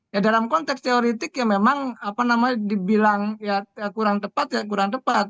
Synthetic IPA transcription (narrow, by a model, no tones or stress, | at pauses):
jadalamkɔnt̪ɛkst̪eoɾit̪ɪkjaŋmemaŋapanamaɲadibilaŋjakuɾaŋt̪əpat̪̚jak̬uɾaŋt̪əpat̪̚